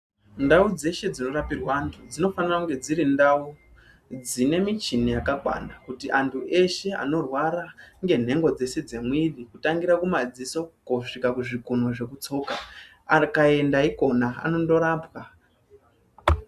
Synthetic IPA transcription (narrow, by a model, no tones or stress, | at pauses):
ndaud͡ze̞ʃe̞d͡zino̞rapirwantʰud͡zino̞fanirakuŋɡe̞d͡ziɾindau | d͡zine̞mit͡ʃinijakakwa̰nakutiʔantʰuʔe̞ʃe̞a̰no̞rwaɾaŋɡe̞n̤e̞ŋɡo̞d͡ze̞se̞d͡ze̞mwiɗikutaŋɡiɾakumad͡ziso̞koʂikakuʐikun̤oʐe̞kut͡so̞ka | akae̞ndaiko̞naa̰no̞ndo̞ɾaːpwa